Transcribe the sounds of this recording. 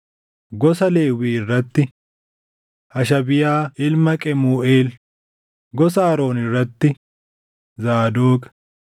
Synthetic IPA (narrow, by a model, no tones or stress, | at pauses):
ɡɔsɐle̞ːwiːɪrːɐt̪ːɪ | hɐʃɐbɪjaːɪlmɐkʼɛmuːʔe̞ːl | ɡɔsaːɾo̞ːnɪrːɐt̪ːɪ | zaːd̪oːkɐ̥